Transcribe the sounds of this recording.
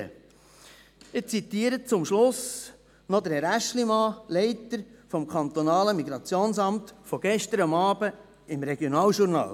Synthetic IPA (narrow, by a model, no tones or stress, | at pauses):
ɪt͡sit̪iːəɾət͡sʊmʃlʊs | nɔd̪əɾɛɾæʃlimɑːlɛɪtəɾfɔmkʰɑnt̪ɔnɑːləmiɡɾɑt͡sjoːnsɑmt̪fɔɡ̥ɛʃtəɾɑmɑːb̥ə | ɪmɾɛɡ̥jonɑːlʃuɾnɑ̰ːl